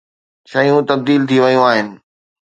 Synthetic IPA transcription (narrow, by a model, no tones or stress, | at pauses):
ʃɐiũt̪ɐb̚d̪iːlt̪ʰiʋɐjũaːɦɪnɪ̆